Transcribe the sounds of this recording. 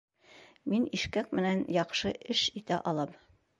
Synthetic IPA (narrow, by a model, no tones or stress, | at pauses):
miniʃkæk̚mɘ̆nænjɒqʃɤʔɘʃit̪æʔɒlˠɤm